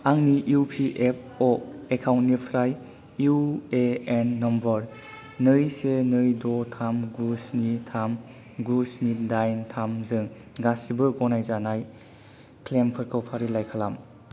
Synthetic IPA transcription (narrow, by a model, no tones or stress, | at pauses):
aŋniʔupʰiʔep̚ʰɔekʰawntnipʰɾaj | ueenːɔmbɔɾ | nɯjsenɯjdɔtʰamɡusnitʰam | ɡusnidajntʰamzɯŋ | ɡasibɯɡɔnajzanaj | klempʰɯɾkʰɯwpʰaɾilajkʰalam